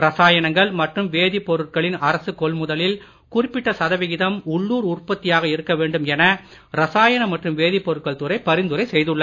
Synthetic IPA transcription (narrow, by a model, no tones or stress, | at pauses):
ɾɐsaːjɐɳɐŋɡɐɭmɐʈrɯmʋeːðɪpːɔɾɯʈkɐɭɪnɐɾɐsɯkɔɭmʊðɐlɪl | kʊrɪpːɪʈːɐsɐðɐʋɪɣɪðɐmʊɭːuːɾʊrpɐt̪ːɪjaːɣɐɪɾɯkːɐʋeːɳɖɯmɛnɐ | ɾɐsaːjɐɳɐmɐʈrɯmʋeːðɪpːɔɾɯʈkːɐɭt̪ɯɾɐɪpɐɾɪnd̪ɯɾɐɪsɛjðɯɭːɐ